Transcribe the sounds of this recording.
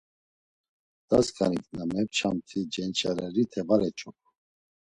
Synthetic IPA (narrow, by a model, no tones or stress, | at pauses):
d̪̥aska̰niknamɛpt͡ʃʰamt̪ʰid͡ʒɛnt͡ʃʼaɾɛɾit̪ʰɛvaɾɛt͡ʃʼɔpʰ